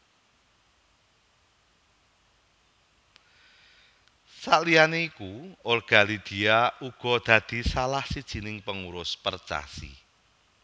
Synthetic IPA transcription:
saʔlianeikuorɡ̥a̤lid̪̥i̤auɡ̥ɔ̤d̪̥ä̤d̪̥i̤salahsid̥ʒ̥i̤nɪŋpəŋuɾʊspərt͡ʃa̰sḭ

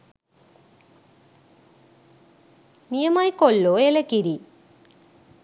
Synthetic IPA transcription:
nijɐmaːjkolːoelɐkːiɾi

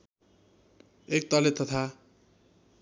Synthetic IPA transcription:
ek̚t̪ʌlet̪ʌt̪ʰa

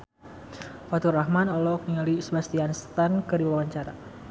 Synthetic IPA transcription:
fat̪urahmanɔlɔk̚niŋalisəbast̪ianst̪ankədiwawawaɲt͡ʃaɾa̰

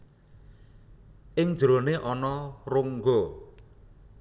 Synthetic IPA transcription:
ʔɪŋd̥ʒ̥ɾo̤neʔɔnɔruŋɡɔ

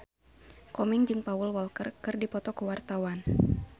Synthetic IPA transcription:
kɔmiŋd͡ʒɨŋpaulwɔlkərkɨrdipɔt̪ɔkəwart̪awan

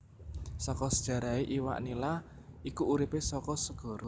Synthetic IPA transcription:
sɔkɔsəd̥ʒ̥ä̤ɾaeʔiwa̰ʔnila | ikuʔːɾipesɔkɔsəɡ̥ɔ̤ɾo

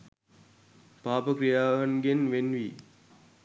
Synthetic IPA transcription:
paːpəkɾijaːɐnɡenʋenʋiː

